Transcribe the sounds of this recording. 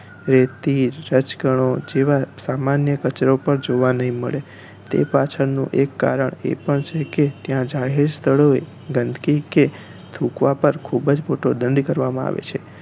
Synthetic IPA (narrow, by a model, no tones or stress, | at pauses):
ɾet̪iɾːət͡ʃɡəɳ̃od͡ʒeʋasamanjəkət͡ʃɾopəɾd͡ʒoʋanəɦĩməɭe | t̪ḛpat͡ʃʰəɾnṵ̃ʔekːa̰ɾəɳḛpəɳt͡ʃʰeket̪jãd͡ʒaɦeɾst̪ʰəɭoe | ɡənd̪ʱkike | t̪ʰukʋapəɾkʰubəd͡ʒmoʈod̪ənɖkəɾʋamãa̰ʋḛt͡ʃʰe